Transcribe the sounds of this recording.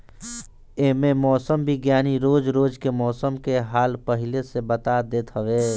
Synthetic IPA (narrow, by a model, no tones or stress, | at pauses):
eːmẽmɔːsəmbʱiɡjaːniɾoːd͡ʒɾoːd͡ʒkemɔːsəmkeɦaːlpəɦɪlesebət̪ad̪eːt̪ɦəʋeː